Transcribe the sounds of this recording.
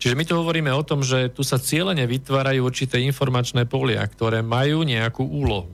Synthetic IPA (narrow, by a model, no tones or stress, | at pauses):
t͡ʃiʒɛmit̪uɦɔʋɔɾiːmɛɔt̪ɔmʒɛt̪usat͡sɪɛlɛɲɛʋit̪ʋaːɾajuːuɾt͡ʃit̪ɛːinfɔɾmat͡ʃnɛːpɔlɪa̰kt̪ɔɾɛːmajuːɲɛakuːʔuːlɔɦu